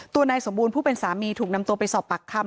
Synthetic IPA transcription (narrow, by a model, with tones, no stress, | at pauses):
t̪u˧ɐnaː˧jso˩˦mbuː˧npʰuː˥˩pe˧nsaː˩˦miː˧t̪ʰuː˨˩k̚na˧mt̪u˧ɐpa˧jsɔː˨˩pːa˨˩kʰːa˧˩m